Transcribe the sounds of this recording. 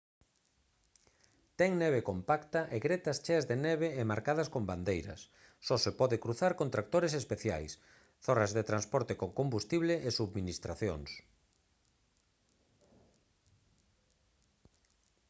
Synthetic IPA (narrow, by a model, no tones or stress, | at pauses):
t̪ɛŋnɛβ̞ekompakt̪ɐʔeɣɾet̪ɐst͡ʃɛzðenɛβeːmaɾkaðɐskomband̪ejɾɐ̰sː | ɔsepɔðɪkɾuθaɾkont̪ɾak̚t̪oɾesespeθja̰js | θorazðet̪ɾanspɔɾt̪ekoŋkombust̪iβleʔːsuβminist̪ɾaθjo̰ŋs